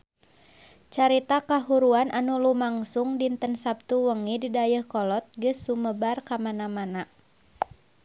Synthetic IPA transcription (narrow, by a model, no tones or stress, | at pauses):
t͡ʃaɾit̪akaɦuɾuanʔanulumaŋsuŋdint̪ənsap̚t̪uwəŋididajəhkɔlɔt̪̚ɡɨsːuməbarkamanamana